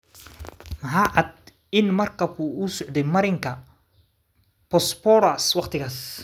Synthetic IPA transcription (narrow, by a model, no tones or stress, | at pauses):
mɐɦaːʕɑd̪̚ | ɪnmɐrkʰɐb̚kʰʊusɔʕd̪ɛjmɐɾɪŋkʰɐ | pɔspɔɾaswɑqt̪ʰɪɣaːs